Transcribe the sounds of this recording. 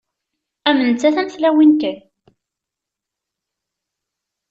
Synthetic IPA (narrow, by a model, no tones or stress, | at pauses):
æmːənt͡sːæθæmθlæwinkæn